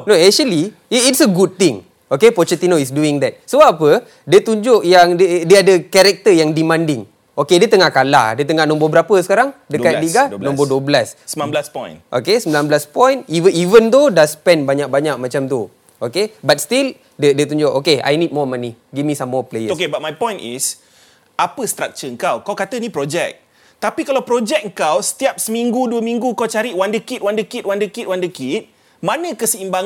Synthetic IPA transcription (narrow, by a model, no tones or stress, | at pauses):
noɛʃəliː | tsəɡud̚t̪ĩŋ | okepɔt͡ʃət̪inoisduiŋd̪ɛt̚soapə | diət̪uɲd͡ʒʊʔjaŋdədiadəkɛɾɛk̚t̪əjaŋdimãndɪŋ | okediət̪əŋahkala̰hdiət̪əŋahnɔ̃mbɔbəɾapəsə̥kaɾaŋdəkat̚diɡanɔ̃mbɔduəblassblaspɔjnʔo̰kesəmbilanbəlaspɔ̃jnivəivənt̪odaspɛnbaɲak̚baɲak̚mãt͡ʃamt̪u | ʔokebat̚st̪il | dədət̪uɲd͡ʒoʔokea̰jnid̚mɔmaniɡimĩsamːɔplejəokebat̚majpɔ̃jnʔḭs | apəst̪ɾak̚t͡ʃəŋ̩kawkawkat̪ənĩpɾɔd͡ʒɛk̚ | t̪apikalawpɾod͡ʒɛk̚ŋ̩kawsə̥t̪iap̚səmiŋɡuduəmĩŋɡukawt͡ʃaɾiʔwandəkit̪̚wandəkit̚wandəkit̪̚wandəkit̪̚ | manə̃kəsəimbaŋ